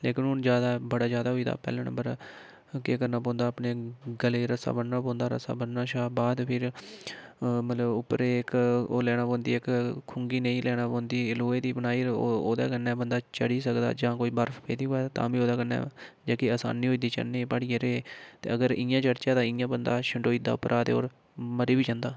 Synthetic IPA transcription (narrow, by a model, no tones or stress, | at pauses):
leːkɪnɦʊnd͡ʒjaːd̪aːbəɽaːd͡ʒjaːd̪aːɦoiːd̪a̰ːpɛ̰ːlãːnə̰mbəɾ | keːkəɾnaːp̬ɔ̃ːnd̪aːpɳeːɡəleːɾəsa̰ːbənːãːpɔ̃ːnd̪aːɾə̰sa̰ːbənːaːʃaːbaːd̪pʰɪɾ | mət̪ləbʊpːɾeːɪkoːlɛːɽ̃ãːpõːnd̪iːɪkkʰʊŋɡiːneĩːlʔɛːɽ̃aːpõːnd̪iːɪloːeːd̪iːbənaːiːoːd̪a̰ːkənːɛ̃ːbənd̪aːt͡ʃəɽiːsəkd̪a̰ːd͡ʒãːkoːiːbəɾfʰpeːd̪iːɦoːaːt̪ã̰ːbiːoːd̪aːkənɛ̰ːd͡ʒaːkiaːsa̰ːniːɦoːiːd̪iːt͡ʃə̰nẽːpəɽiːeɾeːt̪eːəɡəɾɪ̃jãːt͡ʃəɽt͡ʃãːd̪ãːɪjãːbənd̪aːʃəɳɖoːiːd̪a̰ːʊpːɾʔaːt̪eːo̰ːɾ | məɾiːbiːt͡ʃãːnd̪aː